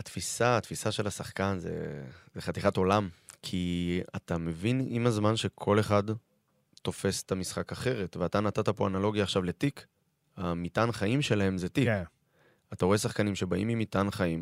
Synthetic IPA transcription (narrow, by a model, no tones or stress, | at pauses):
at̪fisaːt̪fisaʃe̞lhasaχkanzḛzeχat̪iχato̞lamkʰia̰t̪ame̞vinimazmanʃe̞kʰo̞le̞χad | t̪o̞fe̞se̥t̪amisχakaχe̞ʁe̞tveat̪anat̪at̪apo̞analo̞ɡjaːχʃavle̞tik | amitanχaimʃe̞lahe̞mzetik | at̪aʁo̞e̞saχkanimʃe̞baimimit̪anχaim